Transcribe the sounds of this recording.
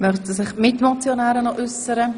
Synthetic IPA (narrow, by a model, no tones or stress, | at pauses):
mœχsəsɪχmɪtmɔt͡sjonɛːɾənɔʔʏsəɾə